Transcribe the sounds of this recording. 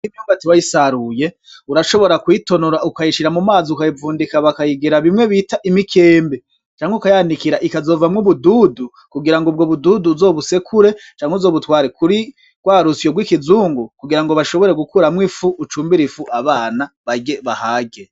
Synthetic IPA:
nimjumɡatiwajisaɾuje̞ | uɾaʃo̞βo̞ɾakwiːto̞noɾaukajiʃiɾamumaːziukajivuːndikaβakajiɡiɾaβimŋe̞βitaʔimikʰe̞ːmbe | t͡ʃaːŋheukajaːndikiɾaʔikazo̞vamŋuβuduːdu | kuɡiɾaŋɡobɡo̞βuduːduzo̞ːβuse̞kʰuɾe̞t͡ʃaːŋheuzo̞ːβutwaːɾekuɾi | ɡ̥waːɾusijoɡwikizuːŋɡukuɡiɾaŋɡoβaʃo̞βo̞ɾe̞ɡukuɾamŋifuʔːt͡ʃuːmbiɾifuʔaβaːnaβaɟe̞βahaːɡe

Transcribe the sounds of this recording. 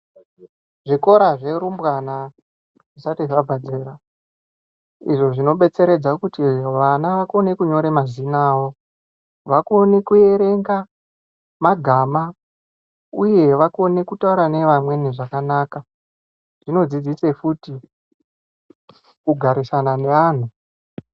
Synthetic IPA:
ʐiko̞ɾaʐe̞ɾumbwana | ʐisatiʐabʱad͡zeɾa | ḭʐo̞ʐino̞ɓe̞t͡se̞ɾe̞d͡zakutiʋanaʋako̞ne̞kuɲo̞ɾemazinaːwo̞ | ʋako̞nekue̞ɾe̞ŋɡa | maɡʱaːma | uje̞ʋako̞ne̞kutauɾane̞ʋamwe̞niʐakanaːka | ʐ̥ino̞d͡zid͡zise̞futi | kuɡʱaɾisanane̞aːn̤u

